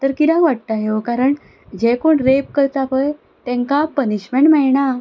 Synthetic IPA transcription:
t̪əɾkid̪ãkʋaʈ̚t̪aɦekaɾəɳ | d͡ʑekoɳɾep̚kəɾt͡sapəj | t̪ɛ̃ŋkapəniɕmeɳʈmɛɭɳa

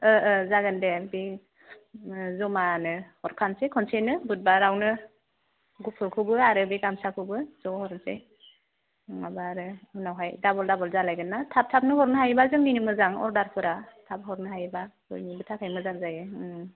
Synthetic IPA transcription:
ɯzaɡɯndebe | zɔmanɯhɔɾkʰansekʰɔnsenɯbut̚baɾawnɯ | ɡupʰɯɾkʰɯwbɯaɾɯbeɡamsakʰɯwbɯzɔhɔɾnsḛ | ŋabaɾɯunawɦajdabɔldabɔlzalajɡɯnːatʰap̚tʰap̚nɯhɔɾnɯɦajbazɯŋninɯmɯzaŋɔ̰ɾdaɾpʰɯɾatʰap̚ɦɔɾnɯɦajba | ɯ̰jnibɯtʰakʰajmɯzaŋzajɯ

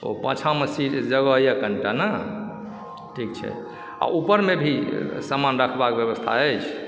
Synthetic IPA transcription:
o̰pə̰̃t͡ʃʰãmesiʈd͡ʒəɡəjakəɳʈanə | ʈʰik̚t͡ʃʰɛ̰ | a̰ʔupəɾmebʱisamanɾəkʰbakbjəβəst̪ʰa̰əjt͡ʃʰ

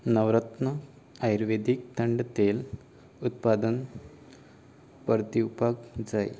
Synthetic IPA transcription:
nɐʋɾɐt̪nɐ | ɐjɾʋed̪ik̚t̪ɐɳɖɐt̪eːl | ut̪̚paːd̪ɐn | pɐɾt̪iupakd͡ʒɐj

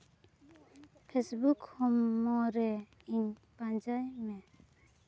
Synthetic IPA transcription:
pʰesbukhɔmːɔɾɛ | iɲpand͡ʒajmɛ

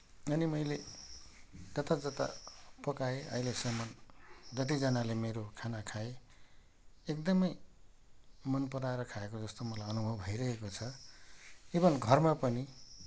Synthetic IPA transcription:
ʌnimʌjle | d͡zʌt̪ad͡zʌt̪a̰pʌkaeʔʌ̰ilesʌmʌnd͡zʌt̪̬id͡zʌnalemeɾokʰanakʰae | ekd̪ʌmʌj | mʌnpʌɾaeɾʌkʰaekod͡zʌst̪omʌlajʌnubʱʌbʱʌjɾʌɦekot͡sʰʌ | ebʌnɡʱʌrmapʌni

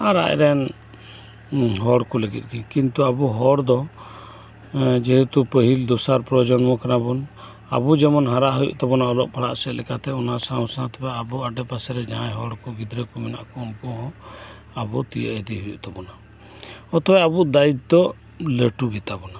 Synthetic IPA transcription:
aɾa̰ʔɛ̰ɾɛn | ɦɔɽkɔləɡḭt̪̚ˀɡikint̪uabuɦɔɽd̪ɔ | d͡ʒɛɦɛt̪upəɦild̪ɔsaɾpɾɔd͡ʒɔnmɔkanabɔn | a̰bud͡ʒɛmɔnɦaɾaʔɦujṵʔt̪ɔbɔnaɔlɔʔ̚pʰaɽa̰ʔsɛʔlɛkat̪ɛɔnasãwsãt̪ɛbɛabuaɖɛpasɛɾɛd͡ʒaãjɦɔɽkɔɡid̪ɾəkɔmɛna̰ʔkɔɔmpɔɦɔ | abɔt̪ijə̰ʔɛd̪iɦujṵʔt̪ɔbɔna | ɔt̪ɔbɛabuʔd̪aid̪̚d̪ɔ | ləʈuɡɛt̪abɔna

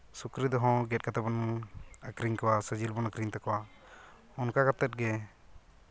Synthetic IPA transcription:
sukɾid̪ɔɦɔ̃ɡɛt̚kat̪abɔnəkɾiŋkɔwasəd͡ʒilbɔnakɾiŋt̪akɔwa | ɔnkakat̪ɛt̪̚ɡɛ

